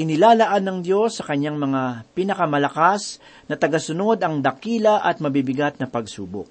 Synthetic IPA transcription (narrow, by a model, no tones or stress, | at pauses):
ʔɪnɪlaːlɐʔanːɐŋd̪jo̞sːɐkɐɲːaŋmɐŋapinɐkɐmɐlɐkas | nɐt̪ɐɡɐsʊno̞d̪ɐŋd̪ɐkiːlɐʔɐt̪̚mɐbibɪɡat̪̚nɐpɐɡsuːbok̚